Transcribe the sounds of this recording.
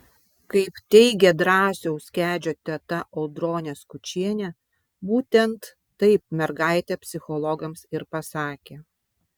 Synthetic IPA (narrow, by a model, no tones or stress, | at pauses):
kɐɪpt̪ʲɛɪɡʲɛd̪ɾɑːsʲɛʊsʲkʲæːd͡ʒʲoːt̪ʲɛt̪ɐʔɔʊd̪ɾoːnʲɛskʊt͡ʃʲiɛnʲɛ | buːt̪ʲɛnt̪ː | ɐɪp̚mʲɛɾɡɑˑɪt̪ʲɛpʲsʲɪxɔlˠɔɡɐmsɪɾpɐsɑːkʲe